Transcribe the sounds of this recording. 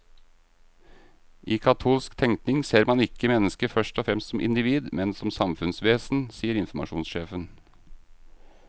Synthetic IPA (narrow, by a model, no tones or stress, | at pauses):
ʔiːkʰɑt̪ʰuːlskt̪ʰɛŋkt̪nɪŋseːɾmɑnɪkəmɛnəskəfœʂʈɔfɾɛmst̪sɔmʔɪ̰nd̪ɪʋiːd̪mɛnsɔmsɑmfʉnsʋeːsn̩siːəɾɪnfmɑ̰ʃuːnsʃeːfən